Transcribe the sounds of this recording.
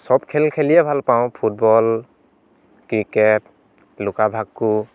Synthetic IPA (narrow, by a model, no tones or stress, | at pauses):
sɔbkʰɛlkʰɛlijɛbʱalpawʊ̃pʰut̚bɔl | kɹikɛt̚ | lʊkabʱakːu